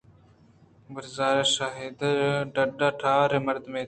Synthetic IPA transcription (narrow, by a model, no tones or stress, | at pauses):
bəɾzaːɾɐʃaːɦid̪ɖɐɖaʈʰaːɾemɐɾd̪meː